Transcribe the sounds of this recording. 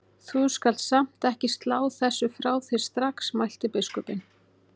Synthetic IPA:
θuskal̥t̪sam̥t̪ɛhcɪst̪laːwθɛsːʏfɾaːwθɪ̥st̪ɾaksmajl̥t̪ɪpɪskɔpɪn

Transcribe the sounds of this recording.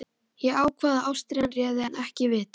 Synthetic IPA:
jɛaːwkʰvaːðaawst̪ɾianrjɛːðɪɛnɛhcɪvɪːt̪

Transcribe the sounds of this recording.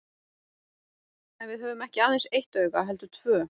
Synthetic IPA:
ɛnvɪðɦœːvʏmɛhcɪaːðejnsejht̪œːɥɣaɦɛlt̪ʏt̪ʰvœː

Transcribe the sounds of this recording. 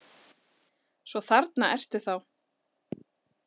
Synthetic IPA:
svɔθaɾt̪naɛr̥t̪ʏ̥θaw

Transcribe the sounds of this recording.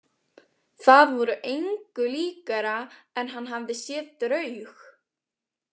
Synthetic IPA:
θaðvɔɾʏʔejŋkʏliːkaɾaɛnɦanːɦavðɪsjɛːðt̪ɾœɥx

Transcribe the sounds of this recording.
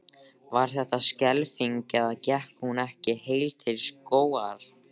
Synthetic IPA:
vaɾ̥θɛht̪ascɛlfiŋkɛðaðcɛhkhunɛhcɪheːjlt̪ʰɪlskoːwaɾ̥

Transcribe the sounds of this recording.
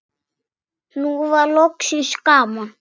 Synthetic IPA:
nuβalokʃiʃikama

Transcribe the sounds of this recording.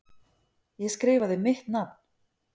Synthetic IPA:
jɛskɾɪːvaðɪmɪht̪napn̥

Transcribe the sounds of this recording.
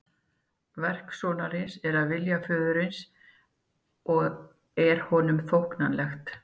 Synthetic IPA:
vɛr̥ksɔːnaɾɪnsɛɾaðvɪljafœːðʏɾɪns | ɔɣ | ɛɾ̥hɔnʏmfowhknanlɛxt̪

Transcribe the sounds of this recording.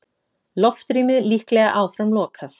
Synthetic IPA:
lɔft̪ɾiːmɪðlihklɛːɣaʔaːwfɾamlɔːkʰaθ

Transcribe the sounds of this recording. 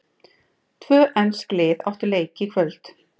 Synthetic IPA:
t̪ʰvœːʔɛnsklɪːða̰ft̪ʏɾleːjcɪikʰvœlt̪

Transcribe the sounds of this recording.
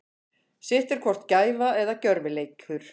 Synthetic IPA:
sɪht̪ɛɾkʰvɔr̥t̪caːjvaɛðacœɾvɪleːjkʰʏɾ̥

